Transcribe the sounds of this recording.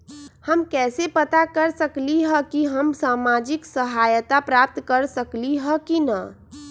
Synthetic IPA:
həmkɛːsepət̪akəɾsəkliɦəkiɦəmsaːmaːd͡ʒɪksəɦaːjət̪apɾap̚t̪kəɾsəkliɦəkinə̰

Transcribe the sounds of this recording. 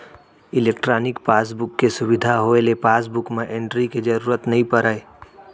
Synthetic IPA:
ɪleːkʈɾaːnɪkpaːs̬bʊkːesʊbɪd̪ʱaɦoelepaːs̬bʊkmẽʔẽːɳʈɾiked͡ʒəɾuːɾət̪nɐɦĩpəɾəe

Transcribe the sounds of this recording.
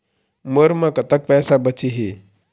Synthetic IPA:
məɾmãkət̪ək̚pɛsabət͡ʃiɦi

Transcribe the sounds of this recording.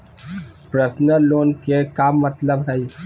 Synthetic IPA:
pɾəsnəloːnkekamɐt̪ləbɦɛj

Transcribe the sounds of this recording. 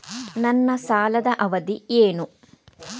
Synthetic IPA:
nɐnːɐsaːlɐd̪ɐʔɐʋɐd̪ieːnu

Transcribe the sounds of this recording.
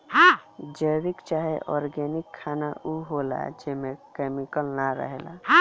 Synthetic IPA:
ɦãd͡ʒəjbikt͡ʃaːɦeʔɔɾɡɛnikʰːanaʔuɦola̰d͡ʒemẽkemikəlnaɾə̰ɦḛla̰ɦ

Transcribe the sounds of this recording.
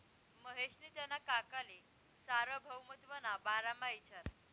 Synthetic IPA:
məɦeʂnit̪janːakakale | saɾəbʱəwmət̪ʋənabaɾamait͡ɕʰaɾ

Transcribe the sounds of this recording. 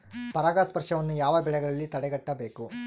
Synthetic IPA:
pɐɾaːɡaːspɐɾʂɐʋɐnːujaːʋɐbɛɭɛɡɐɭɐlːit̪ɐɽɛɡɐʈːɐbe̞ːku

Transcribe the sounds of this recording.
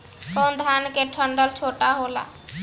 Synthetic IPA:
kond̪ʱaːnkeʈʰəɳɖəlt͡ʃʰoːʈaɦoːla̰

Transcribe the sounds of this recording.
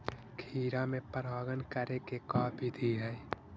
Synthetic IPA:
kʰiːɾamẽpəɾaːɡənkəɾekekaːbʱit̪ʰiɦɛ

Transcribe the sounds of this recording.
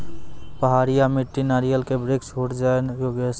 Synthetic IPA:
pəɦaːɾijamiʈːinaɾijəlkebɾekt͡ʃʰoːʈd͡ʒanjoːɡes

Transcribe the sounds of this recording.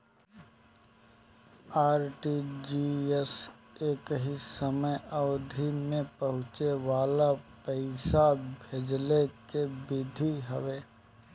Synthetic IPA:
aːɾʈid͡ʒiːɛs | eːkɦisəməjɔːd̪ʱimẽpɐɦʊ̃t͡ʃeʋaːlapəɪsabʱeːd͡ʒlekebɪd̪ʱiɦəʋeː

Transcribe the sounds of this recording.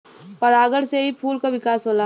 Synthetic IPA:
pɐɾaːɡəɽseɦipʰuːlkaʋɪkaːsɦoːlaː

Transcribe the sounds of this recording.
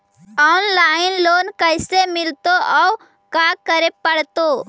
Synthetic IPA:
ɔːnlaɪnloːnkəɪsemɪlt̪oʔɔ | kakəɾepəɽt̪o

